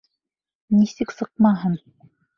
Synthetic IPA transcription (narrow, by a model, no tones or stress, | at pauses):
nisɘksɤq̚mɑɦɤn